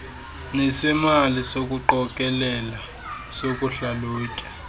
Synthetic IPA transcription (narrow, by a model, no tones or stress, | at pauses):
nɛsimalisok̬ʼuǃɔkʼɛlɛla | sokʼuɬaloːkʼɛ̥